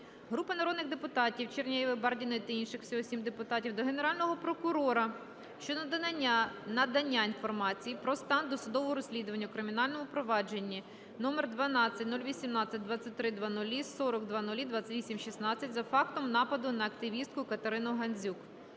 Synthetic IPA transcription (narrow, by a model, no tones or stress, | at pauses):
ɦɾupɐnɐɾɔd̪nɪɣd̪epʊt̪ɑtʲiwt͡ʃernʲɛjiʋɪbɑrdʲinɔjit̪ɐinʃɪxwsʲiɔsʲimd̪epʊt̪ɑtʲiwd̪ɔɦe̞neɾɑlʲnɔɦɔpɾɔkʊɾɔɾɐ | ʃt͡ʃɔ | nɐd̪ɐnʲːainfɔrmɑt͡sʲijipɾɔst̪ɑnd̪ɔsʊd̪ɔʋɔɦɔɾɔsʲlʲid̪ʊʋɐnʲːɐukɾɪmʲinɑlʲnɔmʊpɾɔʋɑd͡ʒe̞nʲːi | nɔmerd̪ʋɐnɑt͡sʲːɐtʲnulʲʋʲisʲimnɑt͡sʲːɐt̚ʲd̪ʋɑt͡sʲːɐt̚ʲt̪ɾɪd̪ʋɑnʊlʲisɔɾɔɡd̪ʋɑnʊlʲid̪ʋɑt͡sʲɐtʲʋʲisʲimʃisnɑt͡sʲːɐtʲzɐfɑkt̪ɔmnɑpɐd̪ʊnɐːkt̪ɪʋʲist̪kʊjkɐt̪eɾɪnʊɦɐnʲzʲuk